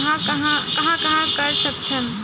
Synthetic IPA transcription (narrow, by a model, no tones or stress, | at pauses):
ɦãkɐɦãkɐɦãkɐɦãkəɾsək̚t̪ʰəm